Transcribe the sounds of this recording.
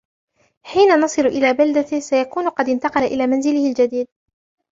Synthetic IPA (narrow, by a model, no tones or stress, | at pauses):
ħiːnanɑsˤɨlʔɪlaːbald̪asajakuːnʊqɑd̪ɪnt̪ɑqɑlaʔɪlaːmanzɪlɪhɪld͡ʒad̪iːd̪̚